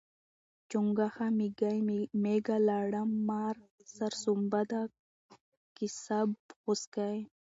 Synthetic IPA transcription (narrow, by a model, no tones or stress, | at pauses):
t͡ʃuŋɡaxamiɡajmeɡalaɽamːaɾsɐɾsumbad̪a | kisabxuskaj